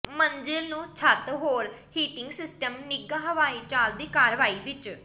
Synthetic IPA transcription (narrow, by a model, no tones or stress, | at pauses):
mənd͡ʒɪlnũːt͡ʃʰət̪ɦoːɾhiːʈɪŋɡsɪsʈəmnɪɡãːɦəʋaːiːt͡ʃaːld̪iːkaːɾʋaːiːʋɪt͡ʃ